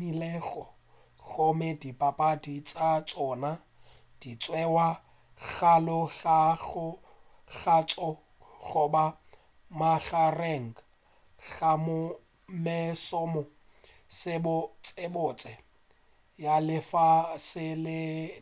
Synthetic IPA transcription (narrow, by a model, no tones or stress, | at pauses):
ilɛɣɔ | ɣomɛdipʼapʼadit͡sʼat͡sʼɔːna | d̥it͡sʼwɛwa | ɣalɔɣaɣʊ | ɣat͡sʼɔ | ɣʊba | maɣarɛŋ̩ | ɣamʊ | mɪsɔmɔ | sɪbʊt͡sʼebʊt͡sʼɛ | jalɪfasɪlɪ